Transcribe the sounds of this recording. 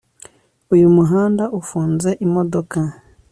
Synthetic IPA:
ujumuɦaːndaʔufuːnze̞ʔimodoka

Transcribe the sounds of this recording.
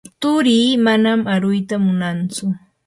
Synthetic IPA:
t̪ʊɾiːmanamaɾʊjt̪amʊnant͡sʊ

